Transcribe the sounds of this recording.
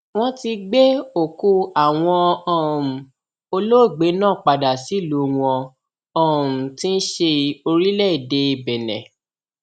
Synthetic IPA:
w̃ɔ̃˦ti˧ɡ͡be˦o˦˨ku˧a˦˨w̃ɔ̃˧ɔ̃˦˨ũ˨ | o˧lo˦˨ɡ͡be˨˦nãː˦˨k͡pa˨da˨si˨˦˨lu˨˦w̃ɔ̃˧ | ɔ̃˦˨tĩ˦n̩˦ʃe˧o˧ɾi˦lɛ˦˨i˨de˧i˨bɛ˨nɛ̰̃˨

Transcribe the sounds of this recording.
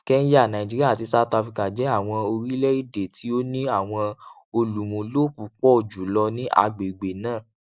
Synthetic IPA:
kɛ˦n̩˦ja˦˨nã˨ĩ˨d͡ʒi˦i˦a˦˨ti˧sa˧˦ta˧fi˧ka˨d͡ʒɛ˨˦a˦˨w̃ɔ̃˧o˧ɾi˦lɛ˦i˦˨de˨ti˨˦o˦nĩ˦a˦˨w̃ɔ̃˧ | o˧lu˨mũ˨lo˦pu˨k͡pɔ˦o˨d͡ʒu˨lɔ˧nĩ˦ʔa̰˧ɡ͡be˨ɡ͡be˨nãː˦˨

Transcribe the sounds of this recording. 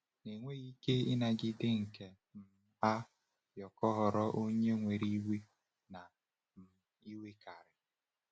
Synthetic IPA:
ne˨ŋʷe˦ɣi˦ke˦ɪ˦na˨ɡɪ˦dɪ˦ŋ̩˨ke˨ | m̩˨ | a˦ | jɔ˨kɔ˦ɦɔ˨ɾɔ˦ʔo˦ɲe˦ŋʷe˨ɾi˦wi˦ | na˨ | m̩˨ | i˦we˦ka˨ɾɪ˨

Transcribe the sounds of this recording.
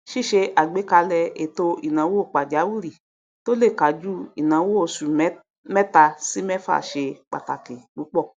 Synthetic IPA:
ʃi˦˨ʃe˧ʔa˨ɡ͡be˨˦ka˧lɛ˧e˨to˧i˨nã˨˦wo˦˨k͡pa˨d͡ʒa˨˦wu˦ɾi˦˨ | to˦le˦˨ka˨˦d͡ʒu˦i˨nã˨˦wo˦o˨su˨˦ | mɛ˦ta˧si˨˦mɛ˦fa̰˦˨ʃe˧k͡pa̰˨ta˨ke˨k͡pu˨˦k͡pɔ˦˨

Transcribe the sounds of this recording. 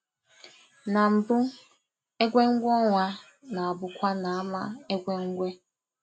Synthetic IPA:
na˨m̩˨bʊ˦ | e˦ɡʷe˦ŋ̩˦ɡʷɔ˦ŋʷa˦ | na˨a˨bʊ˦kʷa˦na˨a˦ma˦e˦ɡʷe˦ŋ̩˦ɡʷe˦

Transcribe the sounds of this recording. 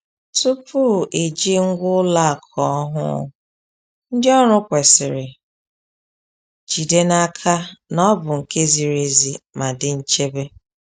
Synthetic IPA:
tu˦pʰu˦˨ʔe˨d͡ʒi˦ŋ̩˦ɡʷʊ˦la˦a˨kʰɔ˦ɔ˦ɦʊ̰˦˨ | n̩˦dɪ˦ɔ˦ɾʊ˦kʷe˨sɪ˨ɾɪ˨ | d͡ʒi˨de˦na˦kʰa˦nɔ˦bʊ˨ŋ̩˨ke˦zi˨ɾe˨zi˨ma˨dɪ˨n̩˦t͡ʃe˦be˦

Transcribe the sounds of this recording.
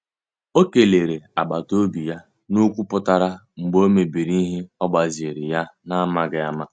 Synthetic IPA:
o˦ke˨le˨ɾe˨a˨ɡ͡ba˨to˦bi˨ja˦ | nu˦kʷu˦pʊ˦ta˦ɾa˦ | ŋ͡m̩˨ɡ͡bo˦me˨bi˨ɾi˦i˦ɦe˦ɔ˦ɡ͡ba˨zɪ˨ɾɪ˨ja˦na˦ma˦ɡɪ˦a˦ma˦

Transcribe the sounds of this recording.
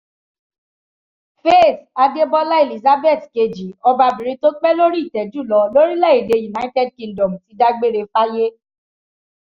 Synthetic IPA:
fe˦˨ta˧de˦bɔ˦la˦e˨li˨za˦be˦˨tke˧d͡ʒi˨˦ɔ˧ba˧bĩ˨ɾ̃ĩ˧to˦k͡pɛ˦lo˦ɾi˦i˦˨tɛ˨d͡ʒu˦˨lɔ˨˧lo˦ɾi˦lɛ˦˨i˨de˨˧ju˨na˦i˦tɛ˦˨d̚kĩ˧ndɔ˨m̩˨ti˨˧˦da˦ɡ͡be˦ɾe˧fa˦je˦

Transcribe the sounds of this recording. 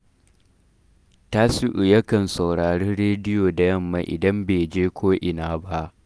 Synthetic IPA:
ta˦si˦ʔʊ˨jɐ˦kɐ˨nsa˨wɽaː˨ɽeː˦nɽeː˦dɪ˦joː˨da˨jɐ˦mːa˨ʔɪ̰˨dɐ˦mbeː˨d͡ʒeː˦kʷʰoː˦ʔɪ˨naː˦ba˦ʔ

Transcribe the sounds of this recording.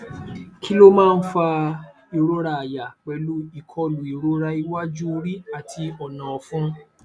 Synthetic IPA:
kʰi˦lo˦mãː˦˧n̩˦fa˧ | i˨˧ɾo˦ɾa˧a˨ja˨k͡pɛ˧lu˦i˨kʰɔ˧lu˨i˨ɾo˦ɾa˧i˧˦wa˦d͡ʒu˦˧ɾi˦a˨tʰi˧ɔ˨nã˨ɔ˨fũ˦

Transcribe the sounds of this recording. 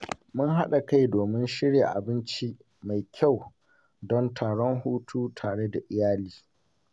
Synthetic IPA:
mʊ˦ŋɦa˦ɗa˨ka˦jdoː˨mɪ˦nʃɪ˦ɽja˨ʔa̰˨bɪ˦nt͡ʃi˦ | ma˨jkʲʰa˦˨w | dɔ˦ntʰaː˨ɽɔ˦ŋhuː˦tʰuː˦tʰaː˨ɽe˦da˨ʔɪ˨jaː˦liː˦

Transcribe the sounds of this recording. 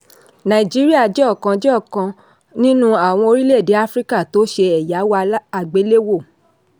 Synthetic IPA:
nã˨i˨d͡ʒi˦ɾi˦a˦˨d͡ʒɛ˦ɔ˦˨kã˧d͡ʒɛ˦ɔ˦˨kã˧ | nĩ˦nũ˦a˦˨w̃ɔ̃˧o˧ɾi˦le˦˨de˨˦a˦fɾi˦ka˦˨to˨˦ʃe˧ɛ˨ja˨˦wa˧˦a˨ɡ͡be˨˦le˦wo˦˨

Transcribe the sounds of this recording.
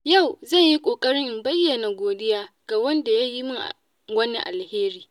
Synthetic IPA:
ja˦˨wzɐ˦˨ɲji˦kʷʼoː˨kʼɐ˦ɽɪ˦mbɐ˦jːɐ˨na˨ɡʷoː˨dɪ˦jaː˦ | ɡ̥a˨wɐ˦nda˨ja˦ji˦mʊ˦ŋʔ | wɐ˦ni˦ʔa˨lheː˦ɾiː˨

